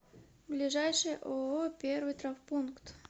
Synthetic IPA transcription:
blʲɪʐajʂɨjʔoopʲervɨjt̪ɾafpunkt̪

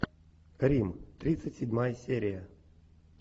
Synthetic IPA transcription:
rʲimt̪ɾʲit̪sɨtʲsʲɪdʲmajəsʲeɾʲɪja

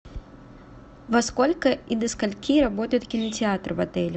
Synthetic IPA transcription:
vɐskɔlʲkɐid̪ɐskalʲkʲiɾabɔt̪əjut̪kʲinɐt͡sʲɪat̪rvɐt̪ɛlʲʊ

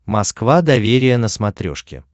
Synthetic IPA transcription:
mɐskvad̪ɐvʲeɾʲɪjənəsmɐt̪ɾʲo̰ʂkʲɪ̰

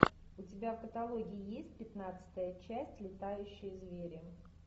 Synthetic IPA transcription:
ʊtʲɪbʲafkət̪ɐlˠo̞ɡʲɪɪjesʲt̚ʲpʲɪt̪nat̪sɨ̥t̪əjət͡ɕæsʲtʲlʲɪt̪ajʉɕːɪjəzvʲeɾʲɪ

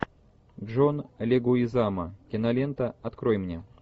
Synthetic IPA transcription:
ʐɔnlʲɛɡuizamɐkʲɛnalʲɛnt̪ɐat̪kɾɔjmnʲɛ

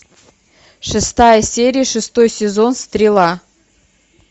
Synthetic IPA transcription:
ʂɨst̪ajəsʲeɾʲijəʂɨst̪ojsʲezonst̪ɾʲelˠɑ

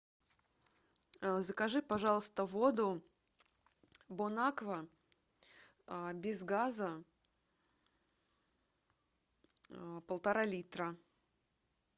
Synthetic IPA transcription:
zəkɐʐɨpɐʐɑlˠəst̪əvod̪ʊ | bonakvə | bʲɪzɡazə | pəlˠt̪ɐɾalʲit̪ɾə

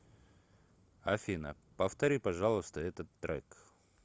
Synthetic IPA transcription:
ɐfʲinə̰ | pəft̪ɐɾʲipɐʐalˠəst̪əɛt̪ət̪ːɾɛ̰k

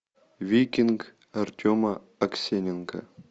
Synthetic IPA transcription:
vʲikʲink | ɐrtʲʰomɐ | ɐksʲenʲɪnka̰

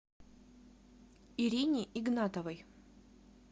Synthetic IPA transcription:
ɪɾʲinʲɪʔɪɡnat̪əvəj

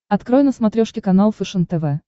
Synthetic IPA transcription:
ɐt̪kɾojnəsmɐt̪ɾʲoʂkʲɪkɐnalˠfɨʂɨnt̪ɛvɛ

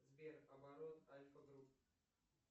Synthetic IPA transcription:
zbʲeɾɐbaɾot̪alʲfɐɡɾup

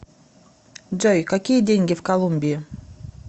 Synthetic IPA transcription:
d͡ʒojkɐkʲijədʲenʲɡʲɪfkɐlˠumʲbʲɪɪ

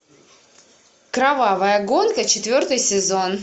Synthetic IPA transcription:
kɾɐvavəjəɡo̞nkət͡ɕɪt̪vʲo̞rt̪ɨjsʲɪzo̞n

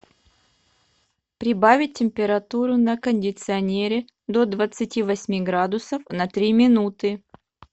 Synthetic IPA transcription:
pɾʲɪbavʲɪt̚ʲtʲːɪmʲpʲɪɾɐt̪uɾʊnəkənʲdʲɪt̪sɨɐnʲeɾʲɪ | d̪od̪vət̪sɨtʲivɐsʲmʲiɡɾad̪ʊsəfnɐt̪ɾʲimʲɪnut̪ɨ

